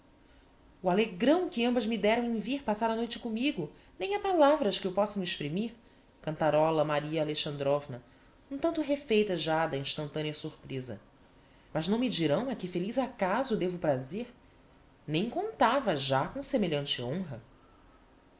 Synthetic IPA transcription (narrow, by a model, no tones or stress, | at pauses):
ʊaleɡɾɐ̃w̃kɪɐ̃mbɐzmid̪ɛɾɐ̃w̃ẽj̃viɾpasaɾɐnojt͡ʃɪkomiɡʊ | nẽj̃ɐpalavɾɐʃkɪupɔsɐ̃w̃eʃpɾimiɾ | kɐ̃nt̪aɾɔlɐmaɾiɐaleʃɐ̃nd̪ɾɔvnɐ | ũt̪ɐ̃nt̪ʊɦefejt̪ɐʒad̪ɐĩʃt̪ɐ̃nt̪ɐ̃niɐsuɾpɾezɐ̰ | mɐznɐ̃w̃mɪd͡ʒiɾɐ̃w̃ɐkɪfelizakazʊd̪evʊpɾazeɾ | nẽj̃kõnt̪avɐʒakõsemeʎɐ̃nt͡ʃɪõɦɐ